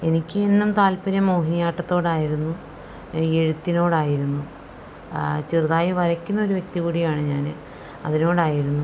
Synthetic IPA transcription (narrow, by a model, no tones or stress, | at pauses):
e̞nikʲːɨe̞nːumt̪aːlpɐɾɐmoːɦinijaːʈːɐt̪ːo̞ːɽaːjiɾunːu | e̞ɻut̪ːino̞ːɽaːjiɾunːu | t͡ɕirðaːjɐʋɐɾɐkʲːunːɐo̞ɾuʋje̞k̚t̪iɣuːɽijaːɳɨɲaːnɨ | ɐ̰ðino̞ːɽaːjiɾunːu